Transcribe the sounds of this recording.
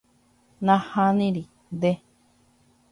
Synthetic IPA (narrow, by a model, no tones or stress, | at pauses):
nãhãnĩɾi | d̪e